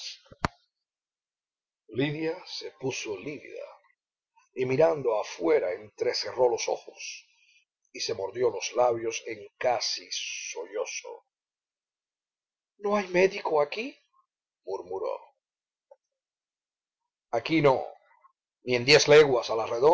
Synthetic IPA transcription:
liðjase̞pusoliβḭða̰ | imiɾand̪oafwe̞ɾae̞nt̪ɾe̞se̞ro̞lo̞so̞̰xos | ise̞moɾðjo̞lo̞slaβjo̞se̞ŋkasisoʎo̞so̰ | noajmeðikoaki | muɾmuɾo̰ | akino̰ | niend̪jesleɣwasalareðo

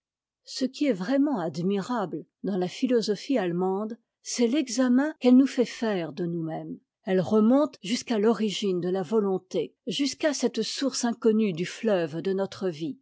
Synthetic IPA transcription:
səkʲiɛvʁɛmɑ̃ad̪miʁabld̪ɑ̃lafilɔzɔfialmɑ̃d̪ | sɛlɛɡzamɛ̃kɛlnufɛfɛʁd̪ənumɛm | ɛlʁəmɔ̃t̪ʒyskalɔʁiʒind̪əlavɔlɔ̃t̪eʒyskasɛt̪suʁsɛ̃kɔnyd̪yflœvd̪ənɔt̪χəvi

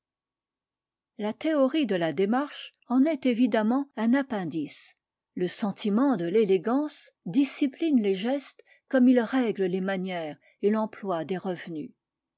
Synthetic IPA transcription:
lat̪eɔʁid̪əlad̪emaʁʃ | ɑ̃nɛt̪evid̪amɑ̃ɛ̃napɛ̃d̪is | ləsɑ̃t̪ʰimɑ̃d̪əleleɡɑ̃sd̪isiplinleʒɛst̪ | kɔmilʁɛɡləlemanjɛːʁ | elɑ̃plwad̪eʁəvny

